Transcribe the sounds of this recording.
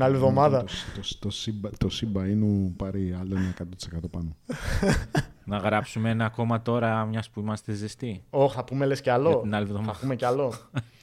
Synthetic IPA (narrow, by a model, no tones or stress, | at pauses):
nɐlivðo̞mɐðɐot̪ost̪osibɐt̪osibɐinupɐɾiɐloenɐekɐt̪ot̪i̥sekɐt̪o̞pɐno | nɐɣɾɐpsumeenɐːko̞mɐt̪o̞ɾɐmɲɐspuimɐst̪ezist̪io̞xθɐpume̞lesceɐlonɐlivðomɐpume̞ceɐlo̞